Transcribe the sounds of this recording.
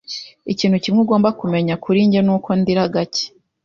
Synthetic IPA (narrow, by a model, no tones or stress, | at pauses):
iciːnhucimŋuɡo̞ːmbakume̞ɲakʰuɾiɲɟenuːko̞ndiɾaɡace̥